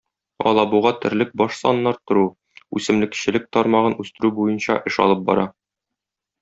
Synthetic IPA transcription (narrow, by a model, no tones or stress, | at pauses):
ɒ̰lˠɑbuʁɑt̪ɘ̆ɾlɘk̚bɒʃsɒnːɑɾt̪ŏɾu | ʉsɘ̆mlɘ̆kɕɘ̆lɘk̚t̪ɒɾmɑʁɤnʉst̪ɘ̆ɾʉbujɤnɕɑ̰ʔɘʃɒ̰lˠɤp̚bɒ̰ɾɑ